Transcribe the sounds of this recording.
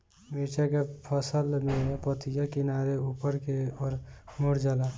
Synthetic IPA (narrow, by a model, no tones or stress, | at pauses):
mit͡ʃakepʰəsəlmẽpət̪ijakɪnaːɾeuːpəɾkeɔːɾmʊɽd͡ʒala